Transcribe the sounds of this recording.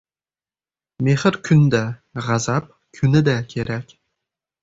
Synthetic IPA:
meχɘɾkʲʰynd̪æʁɑzɑp̚ | kʲʰynɘd̪ækʲʰeɾækʲ

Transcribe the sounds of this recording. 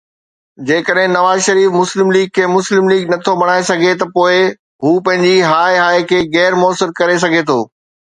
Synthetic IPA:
d͡ʑeːkəɗɦɪ̃nɐʋaːzʃɐɾiːfmʊslɪmliːɡ̚kʰeːmʊslɪmliːɡnɐt̪ʰobɐɽ̃aːesɐɡʱet̪ɐpoːɪ | ɦuːpɐ̃ɦɪ̃ɲd͡ʑiɦaːeɦaːekʰeːɣɛːɾmoəsɪɾkɐɾes̬ɐɡʱet̪ʰoː

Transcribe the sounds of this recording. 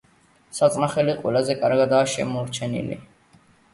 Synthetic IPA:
sat̪sʼnaχɛliqʼwɛlazɛkʼaɾɡad̪aːʃɛ̰mɔɾt͡ʃʰɛnḭlḭ

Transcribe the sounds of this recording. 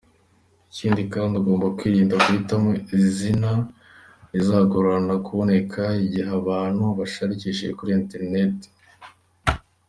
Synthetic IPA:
iciːndikaːndaɡo̞ːmbakwiːɾiːndaɡuhitamoizina | izaɡoɾanakuβo̞ne̞kʰaiɟiɦaβaːn̥huβaʃaɾiciʃeʒekuɾiente̞ɾne̞te̥

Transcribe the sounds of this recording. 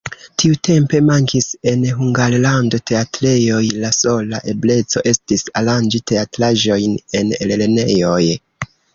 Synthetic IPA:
tʰiute̞mpe̞maŋkise̞nɦuŋɡaɾlando̞te̞atɾe̞jo̞jlaso̞laʔe̞ble̞t͡so̞̰ʔe̞stisaland͡ʒitʰe̞atɾaʒo̞jne̞nelelene̞jo̞j

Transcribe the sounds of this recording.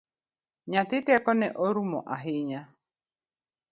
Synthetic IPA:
ɲãt̪ɪt̪eakɔnɛʔɔɾumɔʔaɦɪɲa

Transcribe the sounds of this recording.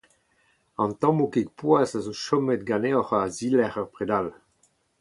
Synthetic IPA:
ɑ̃nt̪ɑ̃mokek̚pwazazoʃɔmɛt̪̚ɡaneɔʁaːzilɛʁœʁpʁed̪al

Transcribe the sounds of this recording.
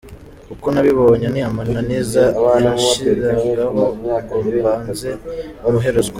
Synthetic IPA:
kukonaβiβo̞ɲaniamananizanaʃiɾaŋɡaɦokomuβaːnze̞noɾuɦe̞ɾuzɡa

